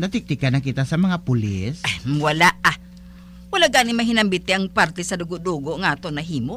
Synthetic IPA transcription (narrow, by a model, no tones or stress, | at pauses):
nat̪ɪk̚t̪ɪkanɐkit̪asɐmɐŋapʊlɪ̰swalaʔa | wɐalaʔɡanɪmaɦɪnɐmbɪt̪ɪʔɐŋpaɾt̪ɛsɐd̪ʊɡʊʔd̪uːɡoʔŋɐʔaːt̪onɐɦiːmoʔ